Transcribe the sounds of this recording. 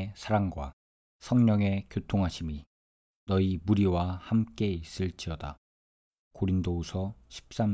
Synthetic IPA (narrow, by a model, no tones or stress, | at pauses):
sʰaɾaŋɡwa̰ | sʰʌŋɲʌŋe̞kjotʰoŋɦaɕʰimi | nʌimuɾiwahamk͈e̞is͈ɯɭt͡ɕ͈iʌda̰ | koɾindousʰʌɕʰi̥p̚s͈am